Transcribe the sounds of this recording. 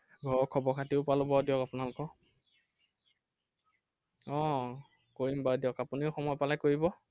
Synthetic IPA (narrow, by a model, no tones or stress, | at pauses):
ɡʱɔɹɔkʰɔbɔkʰatiʊpalʊbɔɹdjɔkapʊnalʊkɔ | ɔ | koɹimbaɹdijɔkapuniʊxɔmɔjpalajkoɹibɔ